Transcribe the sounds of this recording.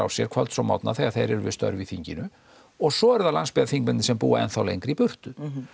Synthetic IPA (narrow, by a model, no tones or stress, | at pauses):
a̰wsjɛɾ̥kʰvalt̪sɔma̰wt̪na̰θɛɣaθejɾɛɾʏvɪ̰st̪œ̰ɾvɪðθiɲcɪnʏ | ɔɣsɔɛɾðalanspɛafiŋkmɛnɪsɛmpṵːa̰ɛ̰nθawlejŋkɾipʏr̥t̪ʏ